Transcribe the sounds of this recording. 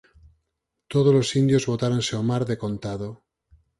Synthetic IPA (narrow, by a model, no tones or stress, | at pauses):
t̪oð̞ozlo̞sind̪jozβo̞t̪aɾonseomaɾðe̞ko̞nt̪aðo